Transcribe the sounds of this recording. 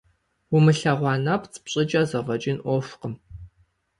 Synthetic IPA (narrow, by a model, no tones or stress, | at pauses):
ʊmɨɬɐʁʷɑːnapt͡sʼpɕʼɪt͡ʃʼazɐʁɐt͡ʃʼɪnʔʷɔfqəm